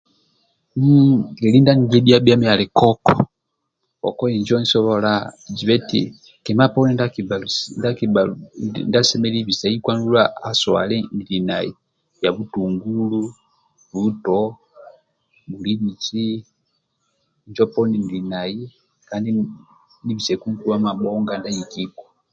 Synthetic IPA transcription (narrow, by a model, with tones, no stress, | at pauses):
m̩ɡɛ˨li˦nda˦ni˨dɛ˦bia˦bja˦mia˨lɛ˨kɔ˦kɔ̰ | ɔ̰˨kɔ˦ɛ˨ɲd͡ʒɔ˦nsɔ˦βɔlad͡ʒi˨βɛ˦tḭ˨ | kɛ˨ma˦pɔ˦nɛ˦nda˦kibalunda˦ki | nda˦sɛmɛliβi˨sa˨i˦kwa˦ndu˦laa˦sɔa̰˨lɛ˦ndi˨na˨i˨ | ja˨βu˦tuŋɡulu | βutɔ | βuli˦mi˨t͡ʃi˦ | ɲd͡ʒɔ˦pɔ˦nindi˨naji˦ | kandi | niβi˨sɛ˨kuŋkula˦ma˨ɓɔŋɡanda˦jiki˦kɔ